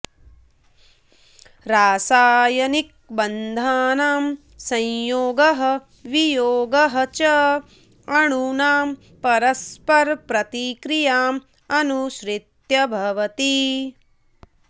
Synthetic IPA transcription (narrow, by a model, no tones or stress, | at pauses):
ɾaːsaːjɐnik̚ | bɐnd̪ʱaːnaːm | sɐ̃j̃joːɡɐɦɐ̆ | ʋijoːɡɐɦɐt͡ʃɐ | ɐɳunaːm | pɐɾɐspɐɾpɾɐt̪ikɾijaːm | ɐnuʃɾit̪jɐbʱɐʋɐt̪i